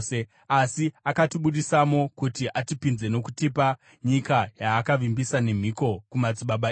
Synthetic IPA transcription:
e | asiakatiɓuɗisamo̞kutiʔatipinze̞no̞kutipa | ɲikajaːkaʋimbisane̞m̤iko̞kumat͡siɓaɓa

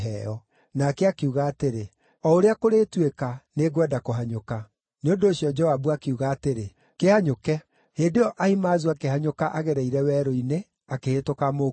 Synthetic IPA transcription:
ɛ̰ɔ | nakɛakeuɣaːteɾe | ɔoɾeakoɾeːtwekaneɣwɛdakoɦaɲoka | neondoːɕjɔd͡ʒɔwabuakeuɣaːteɾe | kehaɲokɛ | heːndeɔʔaimaːzuakehaɲokaʔaɣɛɾɛiɾɛwɛːɾoine | akehetokamo

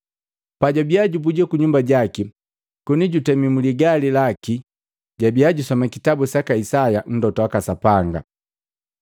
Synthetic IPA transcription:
paɟabiaɟubuɟɛkuɲumbaɟaki | kuniɟutɛmimuliɡalilaki | ɟabiaɟusɔmɛkitabusakaisajan̩dɔtɔwakasapaŋɡa̰

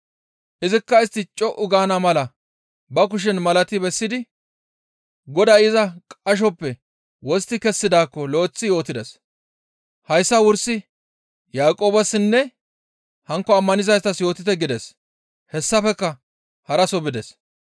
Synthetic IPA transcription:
ʔɪzɪkːɐɪst̪ːɪt͡ʃʼɔʔʊɡaːnɐmɐlɐ | bɐk̬ʊʃ̬ɛnmɐlɐt̪ɪbɛsːɪd̪ɪ | ɡɔd̪ɐjɪzɐkʼɐʃ̬ɔpːɛ | wɔst̪ːɪkɛsːɪd̪aːkːɔlo̞ːt͡sːɪjoːt̪ɪd̪ɛs | hɐjsːɐwʊɾsɪ | jaːkʼo̞ːbɐsnːɛ | hɐŋkːɔɐmːɐnɪzɐjst̪ɐsjo̞ːt̪ɪt̪ɛɡɪd̪ɛs | hɛsːɐfɛkːɐ | hɐɾɐsɔbɪd̪ɛs

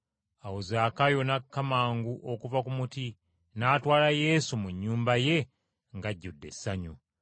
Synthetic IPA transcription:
awozaːkajo̞nakːamaːŋɡuʔokuvakumuti | naːtwaːlaje̞ːsumuɲːuːmbaje̞ | ŋɡaɟːudːe̞̰sːaɲu

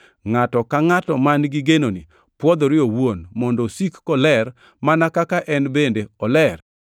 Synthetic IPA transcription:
ŋatɔkaŋatɔmanɡiɡenoni | pwɔd̪ɔɾɪowonmɔndɔsikːɔlɛr | manakakaʔɛnbendeɔlɛr

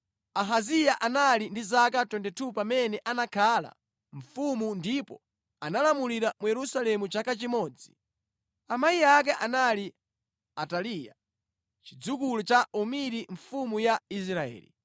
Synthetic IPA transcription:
aɦazijaʔanalindizakatwɛndɛtʰupamɛnɛʔanakʰala̰ | ɱ̩fumundipɔ | analamuliɾamujɛɾusalɛmut͡ʃakat͡ʃimɔːd͡zi | amajiak̬ɛʔanali | atalija̰ | t͡ʃid͡zuk̬ulut͡ʃaʔumiɾiɱfumujais̬ɾaɛ̰ːlḭ

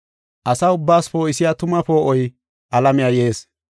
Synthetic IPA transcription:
ʔɐsɐʊbːaːspoːɪsɪjaːt̪ʊmɐpo̞ːʔɔj | ʔɐlɐmɪjaːje̞ːs

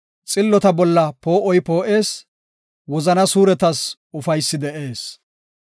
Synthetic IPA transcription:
t͡sʼɪlːɔt̪ɐbɔlːɐpoːʔɔjpo̞ːʔe̞ːs | wɔzɐnɐsuːɾɛt̪ɐs | ʊfɐjsːɪd̪ɛʔe̞ːs

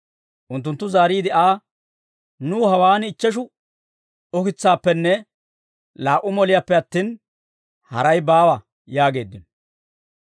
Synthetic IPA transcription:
ʔʊnt̪ːʊnt̪ːʊzaːɾiːd̪ɪaː | nuːhɐwaːnɪt͡ʃːɛʃ̬ʊ | ʊkɪt͡sːaːpːɛnːɛ | laːʔːʊmɔlɪjapːɛɐt̪ːiːn | hɐ̰ɾɐjbaːwɐ | jaːɡe̞ːd̪ːɪn

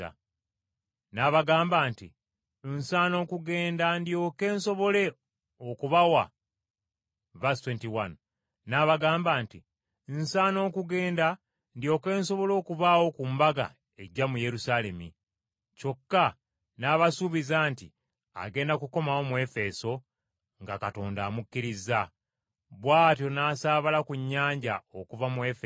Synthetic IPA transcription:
a̰ | naβaɡaːmbaːntḭ | nsaːno̞ːkuɡe̞ːndandjo̞ke̞ːnso̞βo̞le̞ | okuβawa̰ | vastweːntiwan | naβaɡaːmbaːnti | nsaːno̞ːkuɡe̞ːnda | ndio̞ːke̞ːnso̞βo̞lo̞ːkuβawo̞kumbaɡa̰ | e̞ɟamuje̞ɾusale̞mi | t͡ʃo̞kːa | naːβasuβizaːnti | a̰ɡe̞ːndakuko̞mawo̞mwe̞fe̞so̞ | ŋɡakato̞ːndaːmukːiɾiza | βwaːtjo̞naːsaːβalakuɲːaːɲɟao̞kuvamwefe

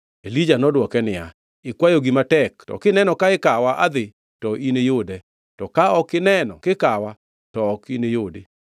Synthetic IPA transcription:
elid͡ʒanɔdwɔkɛnɪa | ɪkwajoɡimatɛk̚tɔ̰kɪnɛnɔkaɪkawaʔa̰d̪ɪ | tɔʔinejodɛ | tɔkaɔkɪnɛnɔ̰kɪkawa | tɔːkinejode

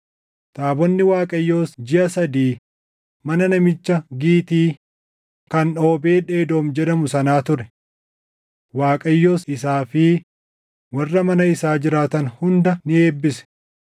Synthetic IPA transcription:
t̪ʼaːbɔnːɪwaːkʼɐjːo̞ːsd͡ʒɪʔɐsɐd̪iː | mɐnɐnɐmɪt͡ʃːɐɡiːt̪iː | kɐno̞ːbe̞ːᶑe̞ːd̪o̞ːmd͡ʒɛᶑɐmʊsɐnaːt̪ʊɾɛ | waːkʼɐjːo̞ːsɪsaːfɪ | wɐrːɐmɐnɐɪsaːd͡ʒɪɾaːt̪ɐnhʊnd̪ɐnɪe̞ːbːɪsɛ̥

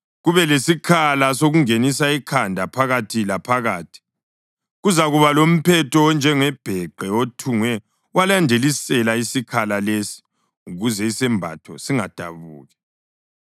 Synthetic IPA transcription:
ɣuβɛlesikʰalasoɣuŋenis̬aikʰandʱapʰaɣatʰilapʰaɣaːtʰi̥ | ɣuzaɣuβalom̩pʰɛtʰɔnd͡ʒʱɛŋɛb̥ʱɛɡ͡ǃʱɛotʰuŋwɛ | walandʱelisɛlaisikʰalalesi̥ | uɣuzɛisɛmbʱa̰tʰɔsiŋad̥ʱa̰βṵːɣɛ

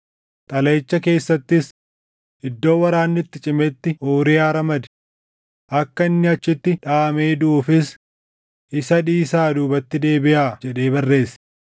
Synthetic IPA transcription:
t̪ʼɐlɐjt͡ʃːɐke̞ːsːɐt̪ːɪs | ɪd̪ːo̞ːwɐɾaːnːɪt̪ːɪt͡ʃʼɪmɛt̪ːɪʔoːɾɪjaːɾɐmɐd̪ɛ̥ | ʔɐkːɐɪnːɪɐt͡ʃːɪt̪ːɪᶑaːmeːd̪uuːfɪs | ʔɪsɐᶑiːsaːd̪uːbɐt̪ːɪd̪e̞ːbɪʔaːd͡ʒɛᶑe̞ːbɐrːe̞ːs

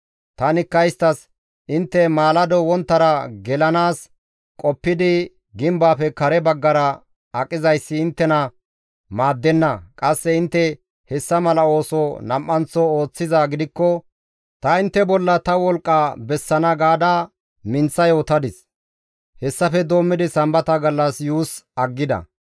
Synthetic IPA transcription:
t̪ɐnɪkːɐjst̪ɐs | ʔɪnt̪ːɛmaːlɐd̪ɔwɔnt̪ːɐɾɐɡɛlɐnaːs | kʼɔpːɪd̪ɪ | ɡɪmbaːfɛkɐɾɛbɐɡːɐɾɐ | ɐkʼːɪzɐjsːɪːnt̪ːɛnɐ | maːd̪ːɛnːɐkʼɐsːɛɪnt̪ːɛ | hɛsːɐmɐlɐo̞ːsɔnɐmʔːɐnt͡sːɔo̞ːt͡sːɪzaːɡɪd̪ɪkːɔ | t̪ɐɪnt̪ːɛbɔlːɐt̪ɐwɔlkʼːɐbɛsːɐnɐɡaːd̪aː | mɪnt͡sːɐjo̞ːt̪ɐd̪ɪs | hɛsːɐfɛd̪o̞ːmːɪd̪ɪsɐmbɐt̪ɐɡɐlːɐsjuːsɐɡːɪd̪ɐ̰

